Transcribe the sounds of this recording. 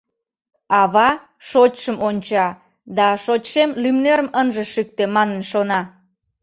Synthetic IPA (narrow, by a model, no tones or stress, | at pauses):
ɑβɑ | ʃot͡ɕʃəmonʲt͡ɕɑ | d̪ɑʃot͡ɕʃemlymneɾəmənʒə̆ʃyk̚t̪emɑnənʃonɑ